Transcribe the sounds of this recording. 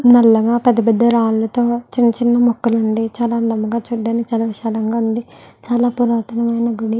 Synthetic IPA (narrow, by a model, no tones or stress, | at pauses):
nɐlːɐɡaːpɛd̪ːɐp̬ɛd̪ːɐɾaːllɐt̪o̞ːt͡ʃinːɐt͡ʃinːɐmɔkːɐluɳɖit͡ʃaːlaːnɐmːɐɡaːt͡ʃuːɖːaːnikit͡ʃaːlɐʋiʃaːlɐŋɡaːund̪it͡ʃaːlaːpuɾaːt̪ɐnɐmɐjnɐɡuɽi